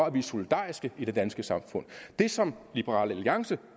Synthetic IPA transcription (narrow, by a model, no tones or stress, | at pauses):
ɒæb̥liso̝lid̥ɑ̰̈ːisɡ̥əid̥e̝d̥ænsɡ̥əsɑ̈mfɔ̽n̰d̥e̝sɒ̽mlib̥əʁɑ̰̈ːleliɑ̈ŋsə